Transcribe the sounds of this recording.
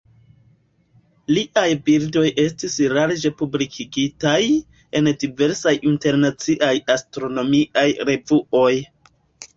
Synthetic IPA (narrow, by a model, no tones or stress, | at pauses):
liʔajbiɾdo̞jʔe̞stisɾaɾd͡ʒe̞publikʰiɡitaj | e̞ndive̞ɾsajʔinte̞ɾnat͡siʔajastɾo̞no̞miʔajɾe̞vuo̞j